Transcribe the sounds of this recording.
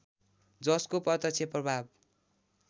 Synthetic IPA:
d͡zʌskopʌt̪ʌt͡sʰeprʌbʱab̚

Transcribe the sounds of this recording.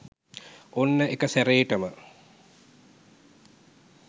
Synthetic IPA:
onːəʔekəsæɾeːʈəmə

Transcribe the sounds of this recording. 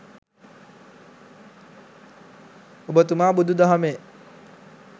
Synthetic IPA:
obət̪̬umaːbud̪ʱud̪aɦame

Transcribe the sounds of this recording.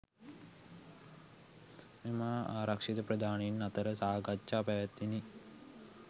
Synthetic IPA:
memaaːɾakʂit̪əpɾɐd̪ʱaːnenːat̪əɾəsaːɡatːt͡ʃaːpaʋat̪ːini

